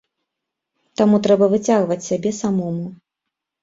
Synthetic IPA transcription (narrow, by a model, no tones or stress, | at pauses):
t̪amut̪ɾɛbɐvɨt͡sʲaɣvɐt͡sʲsʲabʲɛsamɔmu